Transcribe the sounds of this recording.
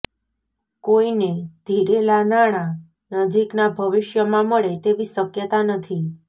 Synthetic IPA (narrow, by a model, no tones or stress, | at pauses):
koined̪ʱiɾelanaɽ̃a | nəd͡ʒiknabʱəʋɪʃjəmãməɭet̪eʋisəkjət̪anət̪ʰi